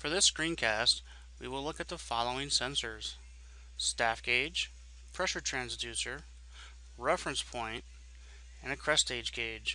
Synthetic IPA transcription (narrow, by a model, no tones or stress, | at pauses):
fə˞ðɪskɹĩnkʰæst̚ | wiwɪlʊkɨt̪̚ðəfɑlˠoʊɪ̃ŋsɛ̃nsə˞z̥ | stæfɡ̥eɪd̥d͡ʒʒ̥ | pʰɹ̥ɛʃə˞tʰɹ̥æ̃nzdʉsə˞ | ɹɛfɹɨ̃nspʰɔ̃ɪ̃nt | ɨ̃nɨkʰɹ̥ɛsteɪd͡ʒɡeɪd̥ʒ̥